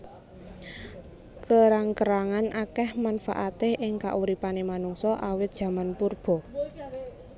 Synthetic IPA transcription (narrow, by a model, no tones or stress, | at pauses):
kəɾaŋkəɾaŋanʔakɛhmanfa̰ʔat̪eʔɪŋka̰ʔuɾipanemanuŋsɔʔawɪt̪̚d̥ʒ̥ä̤manpurb̥ɔ̤